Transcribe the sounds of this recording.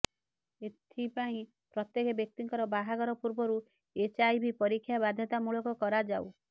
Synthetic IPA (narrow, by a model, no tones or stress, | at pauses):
et̪ʰipaĩ | pɾɔt̪jekebjɔk̚t̪iŋkɔɾɔbaɦaɡɔɾɔpuɾbɔɾu | et͡ʃajbʱipɔɾikʰːjabad̪ʱjɔt̪amuɭɔkɔkɔɾad͡ʒaw